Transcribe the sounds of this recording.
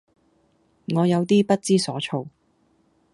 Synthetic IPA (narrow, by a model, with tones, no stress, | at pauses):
ŋɔː˨˧jɐ˨˧wt̪iː˥pɐ˥t̚t͡siː˥sɔː˨˥t͡ʃʰo˧w